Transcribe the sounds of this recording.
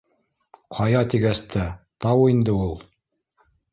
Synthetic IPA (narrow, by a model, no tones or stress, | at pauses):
qʰɑjɑt̪iɡæst̪ʰæt̪ɑwind̪ɘulˠ